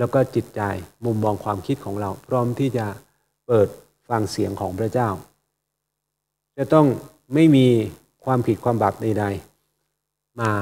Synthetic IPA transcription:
lɛː˦˥wkɔː˥˩t͡ɕi˨˩t̪̚t͡ɕa˧jmu˧mːɔː˧ŋkʰwaː˧mkʰi˦˥t̪̚kʰɔː˩˦ŋɾa˧wpʰɾɔː˦˥mt̪ʰiː˥˩t͡ɕa˨˩ | pɤː˨˩t̪̚ | fa˧ŋsi˩˦əŋkʰɔː˩˦ŋpʰɾa˦˥t͡ɕaː˥˩w | t͡ɕa˨˩t̪ɔ˥˩ŋ | ma˥˩jmiː˧ | kʰwaː˧mpʰi˨˩t̪̚kʰwaː˧mbaː˨˩p̚da˧jda˧j | maː˧

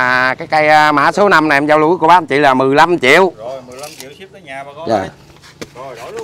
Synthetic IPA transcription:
kaː˨˦jka˧jmaː˧˥so˨˦na˧mna˨˩˨mzaː˧wlṵ˧˥˦jku˧˩əɓaː˦˧˦nt͡ɕḭ˧˨laː˨˩mɨ˨˩əjla˧mt͡ɕḭ˧˨əw | za˨˩

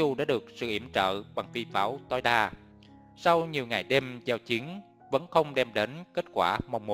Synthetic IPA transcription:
u˨˩ɗa̰ː˧˥ɗɨ˨˩ək̚sɨ̰˧˨ʔi˧˩əmt͡ɕə̰ː˧˨ɓa˨˩ŋfi˧˩faː˨˦wt̪ɔ˧jɗaː˧ | sa˧wɲi˨˩əwŋa˨˩jɗɛ˧mt͡ɕa˧wt͡ɕi˨˦əŋ | və̰˧˥nxə˧wŋ͡mɗɛ˧mɗe˨˦nke˦˥t̚kwaː˧˩ma˨˩wŋ͡mmo˨˦

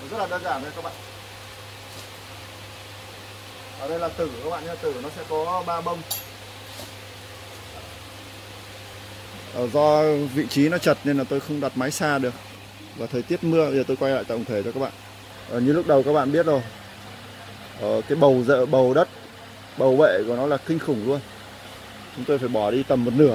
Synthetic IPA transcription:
zə˦˥t̚laː˨˩ɗaː˧zaː˧˩n˨˧˩kaː˦˥k̚ɓa̰ː˧˨ | ʔəː˨˩ɗə˧jlaː˨˩t̪ɨ˨˧˩kaː˧˦˥kɓa̰ː˧˨nɲ˧la˨˩t̪ɨ˨˩nɔ˨˦sɛ̰˧˥kɔ˨˦ɓaː˧ɓə˧wŋ͡m | ʔəː˨˩zɔ˧vḭ˧˨t͡ɕi˨˦nɔ˨˦t͡ɕə˨˩t̚ne˧nlaː˨˩t̪o˧jxə˧wŋ͡mɗwa˨˩t̚ma˨˦jsaː˧ɗɨ˨˩ək̚ | vaː˨˩t̪ʰəː˨˩t̪i˦˥ət̚mɨ˧əɓə˧zəː˨˩t̪o˧jkwa˧jla̰ː˧˨jt̪a̰˧˨˩ŋ͡mt̪ʰe˧˩t͡ɕɔ˧kaː˦˥k̚ɓa̰ː˧˨n | ʔəː˨˩ɲɨ˧lʊ˦˥k̚ɗə˨˩wkaː˦˥k̚ɓa̰ː˧˨ɓi˦˥ət̚zo˨˩j | ʔəː˨˩kaː˨˦jɓə˨˩wzə̰ː˧˨ɓə˨˩wɗə˦˥t̚ | ɓə˨˩wvḛ˧˨kɔ˨˩nɔ˨˦laː˨˩xï˧ŋ̟xʊ˨˧˩ŋ͡mlu˧ən | t͡ɕʊ˨˦ŋ͡mt̪o˧jfaː˧˩jɓɔ˧˩ɗi˧t̪ə˨˩mːo˨˩t̚nɨ˧˩ə

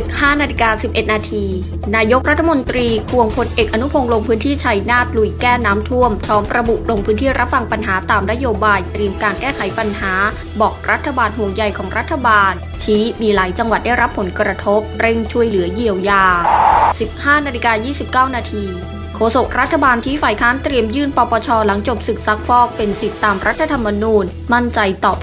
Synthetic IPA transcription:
i˨˩p̚haː˥˩naː˧li˧kaː˧si˨˩p̚ʔe˨˩t̪̚naː˧t̪ʰiː˧ | naː˧jo˦˥k̚ɾa˦˥t̪ʰːa˧˩mo˧nt̪ɾiː˧kʰu˨˧˩əŋpʰo˧nʔe˨˩k̚ʔa˧nu˦˥pʰo˧ŋlo˧ŋpʰɯː˦˥nt̪ʰiː˥˩t͡ɕʰa˧jnaː˥˩t̪̚lu˧˩jkɛː˥˩naː˦˥mt̪ʰu˥˩əmt̪ʰɔː˦˥mɾa˧bu˨˩ʔlo˧ŋpʰɯː˦˥nt̪ʰiː˥˩ɾʔa˦˥p̚wa˧˩ŋpa˧nɦaː˩˦t̪aː˧mna˦˥joː˧baː˧jt̪ɾi˧əmkaː˧nkɛː˥˩kʰa˩˦jpa˧nɦaː˩˦ | bɔː˨˩k̚ɾʔa˦˥t̪ʰːa˧baː˧nɦu˨˩əŋja˨˩jkʰɔː˩˦ŋɾʔa˦˥t̪ʰːa˧baː˧n | t͡ɕʰiː˦˥miː˧laː˩˦jt͡ɕa˧ŋwa˨˩t̪̚da˥˩jɾa˦˥pʰːo˩˦nkɾa˧t̪ʰo˦˥p̚ɾe˥˩ŋt͡ɕʰu˥əjlɯ˩˦ji˧əwjaː˧si˨˩p̚haː˥˩naː˧li˧˥kaː˧jiː˥˩si˨˩p̚kaː˥˩wnaː˧t̪ʰiː˧ | kʰoː˧so˨˩k̚ɾa˦˥t̪ʰːa˧baː˧nt͡ɕʰiː˦˥faː˨˩jkʰaː˦˥nt̪ɾi˧əmjɯː˥˩npɔː˧pɔː˧t͡ɕʰɔː˧la˩˦ŋt͡ɕo˨˩p̚sɯ˨˩k̚sa˦˥k̚fɔː˥˩k̚pe˧nsi˨˩t̪ːaː˧mɾʔa˦˥t̪ʰːa˧t̪ʰa˧mːa˧nuː˧n | ma˥˩nt͡ɕa˧jt̪ɔː˨˩p̚

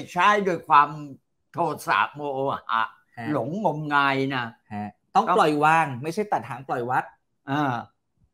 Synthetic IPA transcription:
t͡ɕʰa˥˩jdoː˧jkʰwaː˧m | t̪ʰoː˧˩t̪̚sa̰ː˨˩p̚moː˧ʔoː˧˨˩ʔa̰˨˩ | lo˩˦ŋːo˧mŋa˧jna˦˥t̪ɔ˥˩ŋ˥˩plɔ˨˩jwaː˧ŋma˥˩jt͡ɕʰa˥˩jt̪a˨˩t̪̚hʰaː˩˦nplɔ˨˩jwa˦˥t̪̚ | ʔaː˧˩

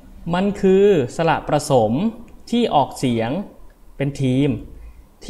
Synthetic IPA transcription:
ma˧nkʰɯː˧sa˧la̰˨˩ʔpɾa˧so˩˦mt̪ʰiː˥˩ʔɔː˨˩k̚si˩˦ɐŋpe˧nt̪ʰiː˧mt̪ʰ

